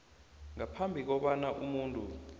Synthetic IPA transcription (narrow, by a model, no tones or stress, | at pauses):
ŋapʰambʱik̬ɔɓanaʔumuːntʼu